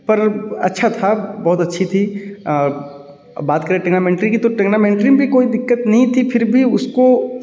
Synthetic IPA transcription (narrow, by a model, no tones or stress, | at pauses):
pɐɾɐ̰tːʃʰat̪ʰabɔːt̪ɐtːʃʰit̪ʰi | baːt̪kɐɾeʈɛɡnamẽːɳʈɾĩkit̪oʈeɡnamẽːɳʈɾimbʱikoːid̪ɪkːət̪nɐɦĩt̪ʰipʰɪɾbʱiʊsko